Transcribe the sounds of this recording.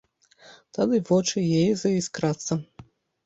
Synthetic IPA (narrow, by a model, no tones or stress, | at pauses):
t̪ad̪ɨvɔt͡ʂɨjejzɐiskɾat̪sːɐ